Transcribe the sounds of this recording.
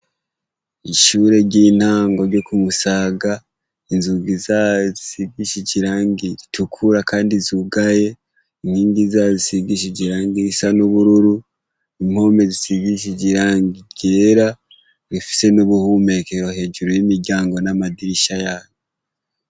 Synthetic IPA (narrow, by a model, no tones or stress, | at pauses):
iʃuːɾe̞ɾɟiːn̥haːŋɡo̞ɾɟo̞kumusaːɡa | inzuɡizazisiɡiʃiɟiɾaːŋɡiɾitʰukʰuɾakaːndizuɡaje̞ | in̥hiːŋɡizaːzisiɡiʃ̬iɟiɾaːŋɡiɾisanuβuɾuɾu | im̥ho̞ːme̞zisiɡiʃ̬iɟiɾaːŋɡiɟeɾa | ɾifi̥se̞nuβuhume̞keɾo̞he̞ːʒuɾojimiɾɟaːŋɡo̞namadiɾiʃajaːɲe